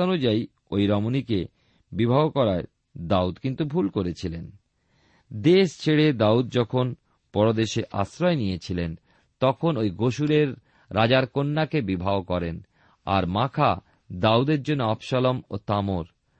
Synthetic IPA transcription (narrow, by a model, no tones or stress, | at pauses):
onud͡ʑai | ojɾɔmonike | bibʱabokɔɾae | d̪aud̪kint̪ubʱulkoɾet͡ɕʰilen | d̪eʃt͡ɕʰeɽed̪aud̪̚d͡ʑɔkʰon | pɔɾod̪eʃeʔa̰ʃɾɔenijet͡ɕʰilen | t̪ɔkʰonojɡoʃuɾeɾː | ad͡ʑaɾkonːakebibʱaokɔɾen | a̰ɾmakʰa̰ | d̪aud̪eɾd͡ʑonːoɔbʃɔlomot̪amoɾ